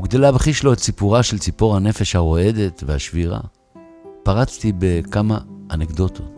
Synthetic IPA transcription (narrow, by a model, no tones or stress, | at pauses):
uɡd̪elabeχiʃlo̞ett͡sipuʁaʃelt͡sipoʁhane̞fe̞ʃhaʁo̞e̞d̪etvehaʃviʁa̰ | paʁat͡st̪ibe̞kamaʔanekd̪o̞t̪ʰo̞t